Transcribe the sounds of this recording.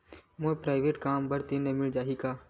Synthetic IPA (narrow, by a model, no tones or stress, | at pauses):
moːpɾaːɪʋeːʈkaːmbəɾt̪inemɪɭd͡ʒaːɦikaː